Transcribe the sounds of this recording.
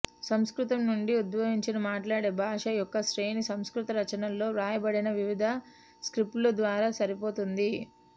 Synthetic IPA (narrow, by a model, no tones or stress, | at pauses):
sɐmskɾut̪ɐmnuɳɖiud̪ʋɐɦiɲt͡ʃinɐmaːʈlaːɽeːbʱaːʂɐjɔkːɐʃɾe̞ːnisɐmskɾut̪ɐɾɐt͡ʃɐnɐlːo̞ːɾaːjɐbɐɽinɐʋiʋid̪ʱɐ | skɾipʈlud̪ʋaːɾaːsɐɾipo̞ːt̪und̪i